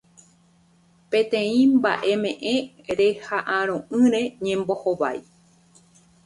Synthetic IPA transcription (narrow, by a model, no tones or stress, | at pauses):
pẽ̞t̪ẽ̞ĩmba̰ʔe̞mẽ̞ʔẽ | ɾe̞haʔãɾ̃õʔɨ̃ɾe̞ɲẽ̞mbo̞hoβa̰j